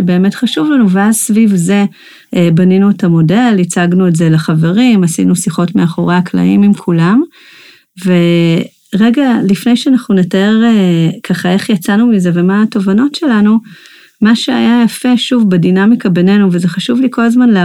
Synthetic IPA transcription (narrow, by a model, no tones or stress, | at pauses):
ebe̞ːme̞tχaʃuvlanuveazsvivze̞ | baninuetamo̞de̞lit͡saɡnuetze̞laχave̞ʁimasḭnusiχo̞tmeaχo̞ʁeakla̰imimkʰulam | ve̞ | ʁe̞ɡalifne̞jʃeanaχnunetae̞ʁekʰaχae̞χjat͡sanumize̞vemaːto̞vano̞tʃe̞lanu | maʃeajajafe̞ʃuvbedinamikabe̞ne̞nuvezeχaʃuvlikʰo̞lazmanle